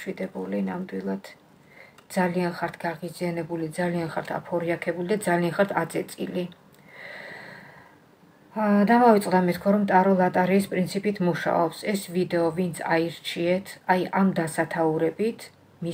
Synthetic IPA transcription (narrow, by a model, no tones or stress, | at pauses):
ʃwid̪ɛbulinamd̪wilˠad̪̥ | d̪zalianχaɾt̪ʰɡaʁizianɛbulid̪zalianχaɾt̪ʰa̰pʰɔɾiakʰɛbulid̪ad̪zalianχaɾt̪ʰad̪zɛt̪sʼḭli | d̪amavit̪sʼd̪amɛt̪̚ʰkʰwaɾɔmt̪ʼaɾɔlˠat̪ʼaɾiːspʼɾint̪sʰipʼit̪ʰmuʃa̰ɔpsɛsvid̪ɛɔvint̪sʰa̰iɾt͡ʃʰiɛt̪ʰajamd̪asat̪ʰauɾɛbit̪ʰ | mi